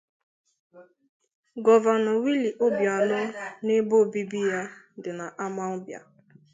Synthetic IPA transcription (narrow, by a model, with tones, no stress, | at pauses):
ɡɔ˨va˨nɔ˨wi˦li˨ʔo˦bja˨nʊ˦ne˦bo˦˨bi˦bi˦ja˦ | dɪ˨na˨ʔa˦ma˦ɔ˦bja̰˨